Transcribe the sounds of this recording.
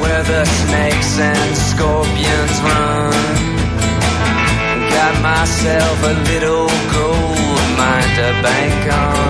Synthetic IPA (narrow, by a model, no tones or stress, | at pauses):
wɛ˞ðəsneɪksɨ̃nskɔɹpiɨ̃nzɹʌ̃ | n | ɡɑt̚maɪsɛlˠfəlɪɾl̩ˠ | ɡoʊl | mãɪ̃ndəbæ̃ɪ̃ŋk